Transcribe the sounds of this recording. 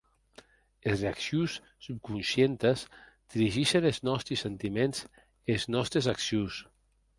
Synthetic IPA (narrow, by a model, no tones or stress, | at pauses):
ezreaksjusː | up̚kunsjent̪əs | d̪̥iɾiʒiʃeneznɔst̪ɾisent̪imenz | eznɔst̪ɾezaksjus